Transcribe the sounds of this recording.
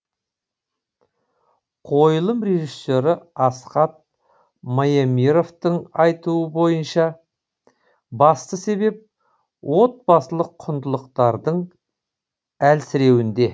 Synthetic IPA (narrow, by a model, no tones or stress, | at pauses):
qʰo̞jlˠəmɾe̞ʒisːe̞ɾɪɑsqɑt̪̚ | mɑjamiɾo̞ft̪əɴɑjt̪uəbo̞jənʃɑ | bɑst̪əse̞be̞p̚ | wʔo̞t̪̚bɑsəlˠəqʰːʊnd̪əlˠəqt̪ɑɾd̪əɴ | ælsɪɾe̞wɪnd̪e̞